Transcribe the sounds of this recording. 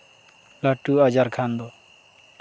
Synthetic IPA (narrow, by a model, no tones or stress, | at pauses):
laʈːuad͡ʒaɾkʰand̪ɔ